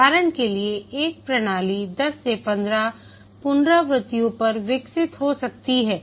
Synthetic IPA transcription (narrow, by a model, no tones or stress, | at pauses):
aːɾəɳ̃kelieeːk̚pɾɐɽ̃aːlid̪ɐsːepɐ̃nd̪ɾa | pʊnd̪ɾaʋɾɪt̪ijõpɐɾʋɪksɪt̪ɦosɐk̚t̪iɦɛː